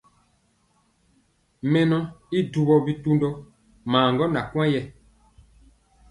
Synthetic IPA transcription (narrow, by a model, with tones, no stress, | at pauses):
mɛ˦nɔ˦i˦du˨bɔ˦bi˦tu˦ndɔ˦ | maː˨ŋɡɔ˦na˨kw̃ã˦jɛ˦